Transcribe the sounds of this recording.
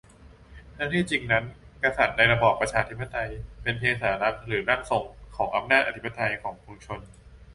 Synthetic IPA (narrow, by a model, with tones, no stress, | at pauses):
t̪ʰa˥˩t̪ʰiː˥˩t͡ɕi˧ŋna˦˥n | ka˧sa˨˩t̪̚naː˧jɾa˧bɔː˨˩pːɾa˧t͡ɕʰaː˧t̪ʰi˦˥pʰːa˧˩t̪a˧jpe˧npʰeː˧saː˩˦ɾa˦˥k̚ɾɯː˩˦ɾa˥˩ŋso˨˩ŋkʰɔː˩˦ŋʔa˧mnaː˥˩t̪̚a˧t̪ʰi˦˥pʰːa˧t̪a˧jkʰɔː˩˦ŋpʰu˧mt͡ɕʰo˧n